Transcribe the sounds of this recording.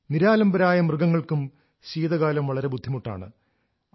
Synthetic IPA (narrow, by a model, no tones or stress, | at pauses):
niɾaːlɐmbɐɾaːjɐmrɨɡɐŋːɐɭkum | ɕiːðɐɣaːlɐmʋɐɭɐɾe̞bud̪ʱːimuʈːa̰ːɳɨ